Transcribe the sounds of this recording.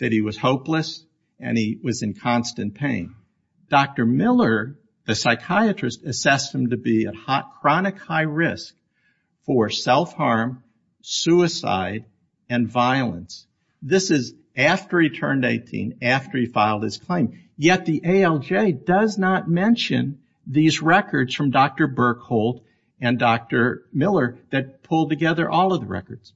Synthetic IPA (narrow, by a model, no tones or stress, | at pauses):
ðɨt̚hiwʌz̥hoʊpləs | ɨ̰̃niwʌzɨ̃nkʰɑ̃nstɨ̃npʰẽɪ̃n | d̥ɑk̚tə˞mɪlˠə˞ | ðɨsaɪkʰaɪɨt͡ʃɹ̥ɨstɨsɛshm̩tɨbiɨ̰t̚hakʰɹ̥ɑnɨkhaɪɹɪsk̚ | fə˞sɛlˠfhɑɹm | sʉɨsa̰ɪɾ | ɨ̃nvaɪlˠə̰̃ns | ðɪsɨz | æftə˞itʰɜ̃˞ndeɪtʰḭ̃næftə˞ifaɪlˠd̚ɨz̥kʰl̥ẽɪ̃m | jɛt̪̚ðiʔeɪɛlˠd͡ʒeɪdʌznət̚mɛ̃nʃɨ̰̃n | ðizɹɛkə˞dz̥fɹʌ̃mdɑk̚tə˞bɜ˞khoʊlˠt | ɨ̃ndɑk̚tə˞mɪlˠə˞ðɨt̚pʰʊlˠd̚tɨɡɛðə̰˞ʔɔlˠʌvðəɹɛ̰kə˞d̥z̥